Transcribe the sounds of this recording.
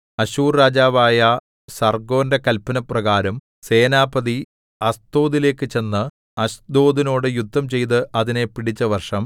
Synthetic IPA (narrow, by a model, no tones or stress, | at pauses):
ɐɕuːrːaːd͡ʑaːʋaːjɐ | sɐrɡo̞ːndekɐlpːɐnɐprɐɣaːɾɐm | se̞ːnaːbɐði | ɐst̪o̞ːðile̞ːkːɨt͡ɕe̞nːɨ | ɐɕd̪o̞ːd̪ino̞ːɽɨjud̪ʱːɐmt͡ɕe̞jt̪̬ɨʔɐðine̞piɽit͡ɕːɐʋɐrʂɐm